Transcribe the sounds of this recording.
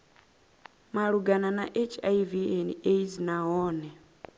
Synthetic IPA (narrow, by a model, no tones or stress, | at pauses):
maɺuɡananaʔet͡ʃʰaiviɛnieizinaɦɔːnɛ